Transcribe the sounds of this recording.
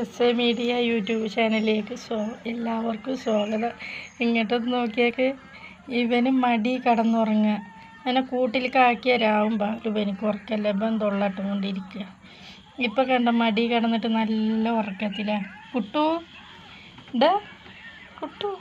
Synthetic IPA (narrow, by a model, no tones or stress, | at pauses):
esemiːɖijɐjuːtːjuːbɨt͡ɕaːnɐilleːkːɨsoːelːaːʋɐrkumswoːɡɐðɐiŋːɐʈːenːɨno̞ːkːijeːkːɨ | iʋɐnumɐɽikɐɽɐnːuɐrɐŋːɐ | ɐnɐkuːʈːilkaːkːiɐɾaːʋumbaːluʋenikʲːurɐkːɐlːɐbɐnd̪oɭːaːʈːukoɳɖiɾikʲːuɣɐ | ipːokɐɳɖɐmɐɽikɐɽɐnːiʈːɨnɐlːɐɐrɐkːɐt̪ːilakuʈːu | ɖɐ | kuʈːu